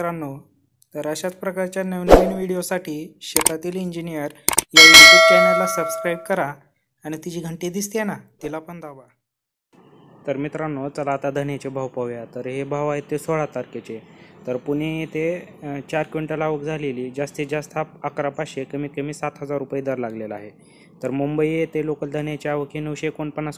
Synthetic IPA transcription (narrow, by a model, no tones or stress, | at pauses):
ɾanːo | t̪əɾəɕat͡spɾəkaɾt͡ɕjaneʋnaiɳʋiɽijosaʈʰiːɕet̪at̪iːliɲd͡ʑinijəɾjaʋiɽot͡ɕanalasəbskɾajbkəɾaː | ɽ̃it̪id͡ʑiːɡʱəɳʈid̪ist̪enat̪ilapəɳd̪aba | t̪əɾmit̪ɾanːot͡səlaʋt̪ad̪ʱənet͡ɕebʱaʋpaʋjat̪əɾɦebʱaʋaɦet̪ːesoɭat̪aɾket͡ɕet̪əɾpuñeet̪et͡ɕaɾkʋiɳʈalaːʋəkd͡zʱaleliːd͡ʑast̪ed͡ʑast̪ʰaakɾapaɕekəmiːkəmiːsat̪ɦəd͡zaɾːupajid̪əɾlaɡlelaaɦe | t̪əɾmumbəiet̪elokəld̪ʱənet͡ɕaʋəkʰinəʋɕekoɳpənːas